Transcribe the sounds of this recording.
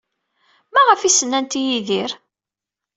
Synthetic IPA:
mæʁəfisənːænt̪ijiðiɾ

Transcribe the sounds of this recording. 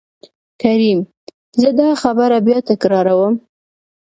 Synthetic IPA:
kaɾim | zəd̪ɑxabəɾabjɑt̪ɪkɾɑɾawəm

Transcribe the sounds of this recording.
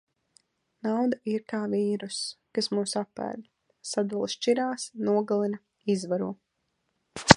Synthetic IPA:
nawd̪aiɾt̪aːviːɾuskasmuːsapːæ̰ːd̪ | sad̪alˠʃt͡ʃiɾaːsnuɔɡalˠinɐ | izvaɾuɔ

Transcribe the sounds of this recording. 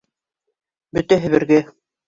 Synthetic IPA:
bɵt̪æɦɘ̆βɘ̆ɾɡæ

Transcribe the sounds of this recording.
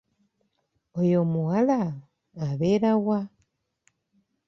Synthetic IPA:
ojomuɣalaː | βeːɾawa

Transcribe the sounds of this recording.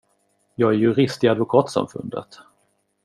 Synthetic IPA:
jɑːɡæɾjɵɾɪst̪ɪad̪vʊkʰɑːt̪sa̰mfɵ̰nd̪ə̰t̪

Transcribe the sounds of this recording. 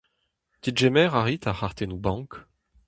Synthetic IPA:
t̪idʒɛmɛʁaʁit̪aχaʁt̪enubɑ̃k

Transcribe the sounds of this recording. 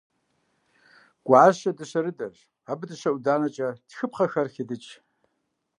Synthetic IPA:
ɡ̥ʷaʕazʃadɨʃʷaɾɨdaʒʷ | abɨdɨʃʷaʔwdaːnat͡ʃʼad̥xɨpʰχaxarxʲidɨt͡ʃʰʼ

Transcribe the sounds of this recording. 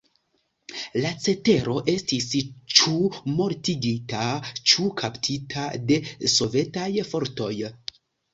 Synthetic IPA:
lat͡se̞te̞ɾo̞ʔe̞stist͡ʃumo̞ɾtiɡitat͡ʃukʰaptʰitʰade̞so̞ve̞tajfo̞ɾto̞j

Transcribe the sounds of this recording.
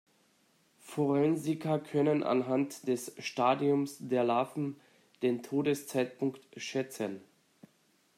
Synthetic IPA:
fɔʁɛnzɪkʰɐkʰœnənʔa̰nɦantd̥ɛsʃtaːdiʊmsd̥eːɐlaːfn̩ | d̥eːntʰoːdəst͡saɪt̚pʰʊŋktʃɛt͡sən

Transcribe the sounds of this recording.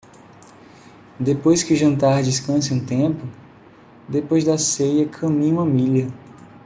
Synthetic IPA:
d̪epojskɪʒɐ̃nt̪aɾd͡ʒiskɐ̃sɪũt̪ẽpʊ | d̪epojzd̪ɐsejɐkʰɐ̃mĩɲũmɐmiʎɐ

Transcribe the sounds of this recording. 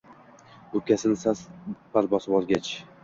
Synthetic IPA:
ɵp̚kʲasɪnsaspaɾbɒsɪbɒlˠɡʲat͡ʃ

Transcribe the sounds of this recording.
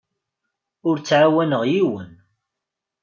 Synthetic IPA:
ʊɾt͡sːʕawænəʁjiwən

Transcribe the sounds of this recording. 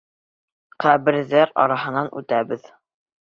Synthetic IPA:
qæβɘ̆ɾðæɾɑ̰ɾɑɦɤ̆nɑnʉ̰t̪æbɘð

